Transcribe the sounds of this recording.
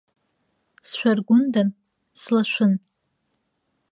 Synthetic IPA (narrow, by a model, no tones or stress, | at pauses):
sʃʷᶣarɡʷʊndan | slaʃʷʊn